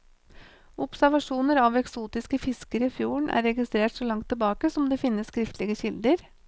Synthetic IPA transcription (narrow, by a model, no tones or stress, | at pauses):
ʔʊpsæɾʋɑʂuːnəɾɑʋɛksuːt̪ɪskəfɪskəɾifjuːəɳʔæ̰ɾɛɡɪst̪ɾeːʈsɔlɑŋt̪ʰːɪlbɑːkəsɔmd̪eːfɪnːəskɾɪft̪ʰlɪɡəçɪld̪əɾ